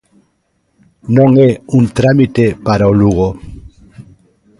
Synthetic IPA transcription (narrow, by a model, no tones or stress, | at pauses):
nõŋeunt̪ɾamit̪epaɾaoluɣ̞o